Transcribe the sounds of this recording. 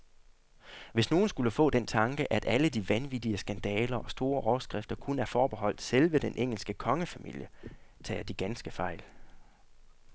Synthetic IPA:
ʋe̝sno̝ːn̩sɡ̥uləfɔ̰̽ːd̥ent͡sʰɑ̈ŋɡ̥əʔæd̥æləd̥iʋænʋid̥iəsɡ̥ænd̥ɛːlɐʔɒ̽sd̥o̝ːɐʔɒʊɐsɡ̥ʁɛfd̥ɐkʰunəæɐfɒːb̥e̝ɦɒ̽l̰d̥selʋəd̥enʔeŋ̰l̩sɡ̥əkʰɒ̽ŋəfæmḭl̰jət͡sʰɛ̰ːd̥iɡ̥ænsɡ̥əfɑ̈ɪ̰l

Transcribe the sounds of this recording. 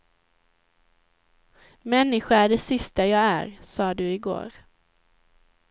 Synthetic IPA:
mɛnːɪɧaæɖɛsɪst̪ajɑːɡæ̰ɾsɑːd̪ɵɪɡo̰ːɾ

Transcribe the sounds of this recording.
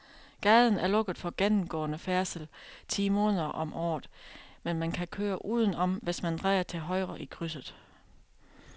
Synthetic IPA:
ɡ̥ɛðˠn̩æɐlɔ̽ɡ̥əðˠfɒ̽ɡ̥enm̩ɡ̥ɔ̰̽ːnəfæɐsəl̩t͡sʰḭːmɔ̽ːnˠɐʔɒ̽mʔɒ̰ːðˠmenmænkʰækʰøːɐʔuːð̞ˠən̩ɒ̽mʋe̝smænd̥ʁɑɪɐt͡sʰe̝ɦɒ̽ɪʁɐʔikʰʁys̬ð̩ˠ

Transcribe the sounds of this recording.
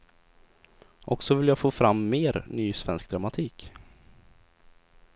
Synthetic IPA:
ʔɔksɔvɪljaːfoːfɾamːeːɾnyːsvɛnsk̚d̪ɾamat̪ʰiːk

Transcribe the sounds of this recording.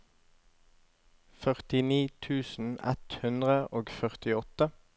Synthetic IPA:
fœʁt̪ɪniːt̪ʰʉːsn̩ɛ̰t̪hʉnd̪ʁəʔoːɡfœʁt̪ɪɔt̪ə

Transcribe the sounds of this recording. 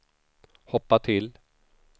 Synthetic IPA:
hɔpːat̪ʰɪl

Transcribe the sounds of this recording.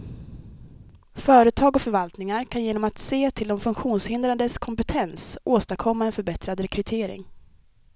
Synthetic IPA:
fœːɾət̪ʰɑːɡɔfœɾvalt̪nɪŋaɾkʰanjeːnɔmat̪seːt̪ʰɪld̪ɔmfɵŋkɧuːnshɪnd̪ɾand̪əskʰɔmpɛt̪ʰɛnsʔoːst̪akʰɔmːaɛnfœɾbɛt̪ɾad̪ɾɛkʰɾɵt̪ʰeːɾɪ̰ŋ

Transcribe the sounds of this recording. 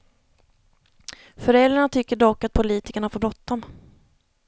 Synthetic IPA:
fœɾɛld̪ɾaɳat̪ʰʏkːəɖɔkːat̪̚pʰʊliːt̪ɪkəɳahafoːbɾɔt̪̚ːɔm

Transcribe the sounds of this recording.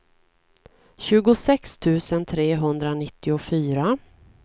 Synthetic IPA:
ɕʉ̟ːɡʊsɛkst̪ʰʉ̟ːsənt̪ʰɾeːɦɵnd̪ɾanɪt̪ʰːɪʊfyːɾa

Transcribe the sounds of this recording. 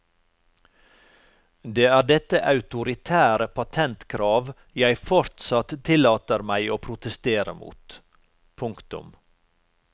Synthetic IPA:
d̪eːæːɖɛt̪əʔɑʉt̪ʊɾɪt̪ʰæːɾəpʰɑt̪ʰɛnt̪kʰɾɑːʋ | jæɪfɔɾt̪sɑt̪t̪ʰːɪlɑːt̪əɾmæɪoːpʰɾʊt̪əst̪eːɾə̰mṵːt̪ | pʰʊŋkt̪ʊ̰m

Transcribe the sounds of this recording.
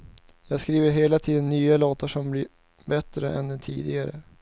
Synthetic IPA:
jɑːɡskɾiːvəɾɦeːlat̪ʰiːd̪ənːyːaloːt̪aʂɔmblɪɾ | bɛt̪ɾə̰ʔɛ̰nd̪ɛnt̪ʰḭːd̪ɪɡaɾə̰

